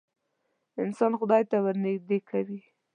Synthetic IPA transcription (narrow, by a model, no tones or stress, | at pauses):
ɪnsɑnxʊd̪ɑjt̪awaɾnɪɡd̪ekʰawi